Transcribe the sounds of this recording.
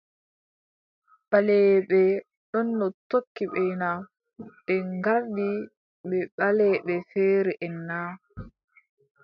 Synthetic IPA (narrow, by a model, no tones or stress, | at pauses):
ɓalɛɓɛ | ɗɔnːɔtokːiɓɛna | ɓɛŋɡaɾdi | ɓɛɓalɛɓɛfɛːɾɛʔɛnːaː